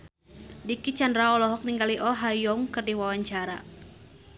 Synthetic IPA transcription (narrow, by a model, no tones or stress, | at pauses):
dikit͡ʃandɾaɔlɔɦɔk̚niŋɡaliʔɔɦajɔŋkɨrdiwawaɲt͡ʃaɾa̰